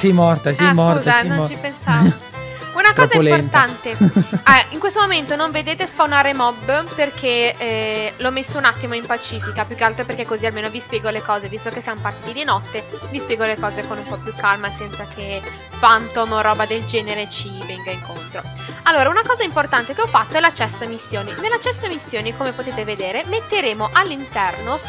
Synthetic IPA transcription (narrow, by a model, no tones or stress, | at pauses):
simɔrt̪asiamɔkuːzanõnt͡ʃipensavo | unakzaimlport̪ant̪eɛiŋkwest̪omoment̪onoɱved̪eːt̪espawnaːɾemɔbːperkʰe | lɔmesːounat̪ːimoimpat͡ʃiːfikapjukːealt̪ɾoperkekːozialmeːnovispjɛːɡolekɔːzevist̪okesːiamopart̪id̪id̪inɔt̪ːevispjɛːɡolekɔːzekonumpɔpjukːalmasɛnt̪sakʰe | fant̪omrɔːbad̪eld͡ʒɛːneɾet͡ʃivɛŋɡaiŋkont̪ɾo | alːoːɾaunakɔːzaimport̪ant̪ekeɔfːat̪ːoɛlat͡ʃɛsːamisːjoːninelːat͡ʃɛsːamisːjoːnikomepot̪eːt̪eved̪eːɾemet̪ːeɾeːmoʔalːint̪ɛrno